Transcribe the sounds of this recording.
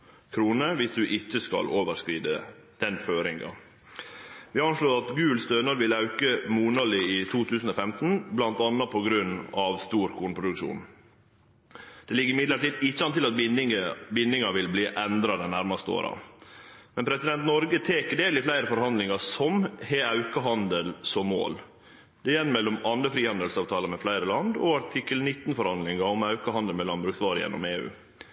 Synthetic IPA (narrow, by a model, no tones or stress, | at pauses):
kʰɾuːnəʋɪsd̪ʉʔɪt͡ʃːəskɑ̰loːʋəɾʂkɾiːd̪ə | d̪̥ɛnføːɾɪŋɡɑ̰ | ʋɪɑnʂloːɾɑt̪ɡʉːlst̪øːnəɾʋɪlɑʉkəmuːnɑlɪɪt̪ʰuːt̪ʰʉːsn̩oːfɛmt̪n̩blɑnt̪ɑnːɑpʰɔɡɾʉnːɑʋst̪uːɾkʰuːnpʰɾʊd̪ʉkʂṵːn | d̪̥ɛlɪɡːəɾɪmɪd̪ləʈiːd̪ɪt͡ʃːəɑnt̪ɪlɑt̪̚ | bɪnd̪ɪŋɑʋɪlbliːʔɛnd̪ɾɑd̪ɛnnæɾmɑst̪əo̰ːɾɑ̰ | mɛnpʰɾɛsɪd̪ɛnt̪nɔɾɡət̪ʰeːkəɖeːlɪflæɪɾəfɔɾhɑnd̪lɪŋɑsɔmheːɑʉkəɦɑnd̪əlsɔmːo̰ːl | d̪̥ɛjɛnːmɛlːɔmɑnɾəfɾiːhɑnd̪əlsɑːʋt̪ʰɑːləɾmɛflæɪɾəlɑnd̪ɔɑʈʰɪkːəlnɪt̪ːnfɔɾhɑnd̪lɪŋɑɔmɑʉkəhɑnd̪əlmɛlɑnbɾʉksʋɑːɾəjɛ̰nːɔ̰meːʉ̰ː